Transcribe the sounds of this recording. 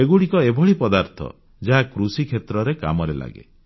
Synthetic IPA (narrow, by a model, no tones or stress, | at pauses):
eɡuɽikɔebʱɔɭipɔd̪aɾt̪ʰɔ̰ | d͡ʒaɦakɾusikʰet̪ɾɔɾeka̰mɔɾela̰ɡḛ